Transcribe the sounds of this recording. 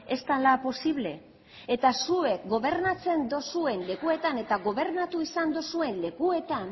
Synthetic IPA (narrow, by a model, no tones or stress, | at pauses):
est̪alapo̞siβ̞le̞̰ | et̪asue̞kɡo̞βe̞ɾnat͡se̞nd̪osue̞nle̞kue̞t̪ane̞t̪aɣo̞β̞e̞ɾnat̪uisand̪osue̞nle̞kue̞t̪an